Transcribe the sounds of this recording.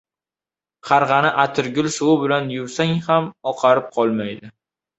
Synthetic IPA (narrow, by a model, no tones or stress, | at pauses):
qʰɑɾʁɑnɪʔat̪ʰɪɾɡʲʊlˠsʊwɪbɪlanjʊwsaŋhamɒqʰɑɾɪp̚qʰɒlˠmajd̪ɪ